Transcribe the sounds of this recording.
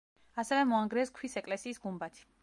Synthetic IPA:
asɛvɛmɔaŋɡɾɛskʰwisɛkʼlɛsiːsɡumbat̪ʰi̥

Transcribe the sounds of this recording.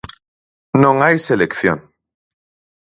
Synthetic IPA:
nõŋajselekθjo̰n

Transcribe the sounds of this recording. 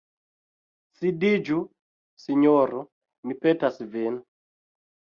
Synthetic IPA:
sidid͡ʒu | siɲɔɾɔ | nipɛtasivɛnu

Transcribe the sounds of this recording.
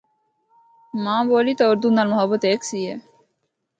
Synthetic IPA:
mãːboːliːt̪oʊɾd̪uːnaːlmʊɦəbət̪eːksiːɦɛː

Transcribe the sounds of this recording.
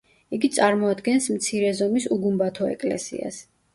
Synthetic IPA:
iɡit̪sʼaɾmɔad̪ɡɛnsmt̪sʰiɾɛzɔmisuɡumbat̪ʰɔɛ̰kʼlɛ̰sḭa̰s

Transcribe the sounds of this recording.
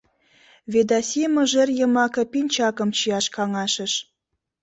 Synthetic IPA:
ved̪ɑsʲemoʒə̆rjə̆mɑkɤ̆pinʲt͡ɕɑkɤ̆mt͡ɕiɑʃkɑŋɑʃə̆ʃ

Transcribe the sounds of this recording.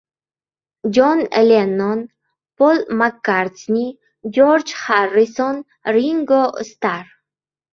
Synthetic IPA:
d͡ʒonelʲenon | polmakːaɾt͡snʲi | d͡ʒoɾd͡ʒharːison | ɾiŋɡost̪aɾ

